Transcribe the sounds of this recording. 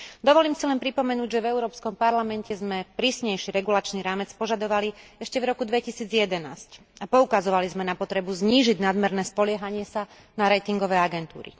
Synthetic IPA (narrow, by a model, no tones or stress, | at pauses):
d̪ɔʋɔliːmsilɛnpɾipɔmɛnuːɟʒɛvɛʊuɾɔːpskɔmpaɾlamɛncɛzmɛpɾiːsɲɛjʃiɾɛɡulat͡ʃniɾaːmɛt͡spɔʒad̪ɔʋaliɛʃcɛvɾɔkud̪ʋɛcisiːd͡zjɛd̪ɛnaːsc | apɔukazɔʋalizmɛnapɔt̪ɾɛbuzɲiːʒiɟnad̪mɛɾnɛːspɔlɪɛɦaɲɪɛsa | naɾɛt̪iŋɡɔʋɛːaɡɛnt̪ṵːɾḭ